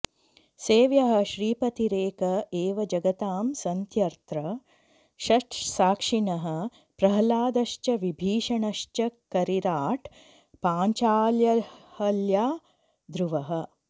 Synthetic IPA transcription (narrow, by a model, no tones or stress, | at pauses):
seːʋjɐɦɐ̆ʃɾiːpɐt̪iɾeːkɐeːʋɐd͡ʒɐɡɐt̪aːmsɐnt̪jɐɾt̪ɾɐ | ʃɐʈsaːkʂiɳɐɦɐ̆ | pɾɐɦɐlaːd̪ɐʃt͡ʃɐʋibʱiːʂɐɳɐʃt͡ʃɐkɐɾiɾaːʈ | paːɲt͡ʃaːljɐhɐljaː | d̪ɾuʋɐɦɐ̆